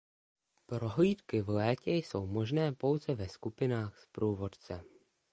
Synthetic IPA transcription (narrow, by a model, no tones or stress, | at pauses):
pɾo̞ɦliːt̪kɪvlɛːcɛjso̞wmoʒnɛːpo̞wzɛvɛskupɪnaːxspɾuːvo̞t̪t͡sɛ